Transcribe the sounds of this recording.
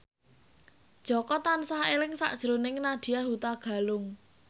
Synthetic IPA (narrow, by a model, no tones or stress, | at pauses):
d̥ʒ̥ɔ̤kɔt̪ansaɦelɪŋsa̰ʔd̥ʒ̥əɾonɪŋnad̪̥i̤aɦut̪aɡ̥a̤lʊŋ